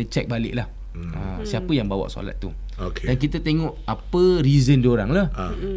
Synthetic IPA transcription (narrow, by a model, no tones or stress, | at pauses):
ət͡ʃɛk̚balɪ̰ʔlah | ə̰siapəjaŋbawa̰ʔso̰la̰t̪̚ːu | okedankit̪at̪eŋɔʔapəɾizəndioɾaŋlah